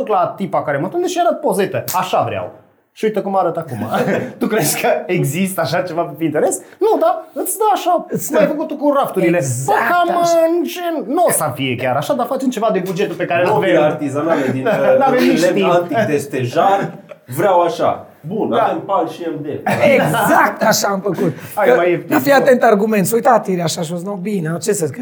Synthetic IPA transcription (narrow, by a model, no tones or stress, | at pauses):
uklat̪ipakaɾemat̪und̪eʃeɾəpo̞ze̞t̪əaʃavɾɪa̰w | ʃiuit̪əkumaɾət̪akuma̰t̪ukɾezkəeɡzist̪əaʃat͡ʃe̞vapefint̪eɾe̞s | nud̪aɨt̪sʲd̪əwaʃamajfəkut̪ukuɾaft̪uɾile̞pəkamɨnt͡ʃennosafijekʲjaɾaʃad̪afat͡ʃemt͡ʃevad̪ebud͡ʒet̪ulpekaɾeenoveaɾt̪izanaled̪ilaveilʃiant̪id̪est̪eʒaɾvɾʲawaʃa̰ | bunanpalʃiemd̪eezakt̪aʃaumpəkut̪ajmajeifijat̪ːɛnt̪arɡumẽnt̪sujt̪at̪iɾaʃaʃ̬oznobinot͡ʃesək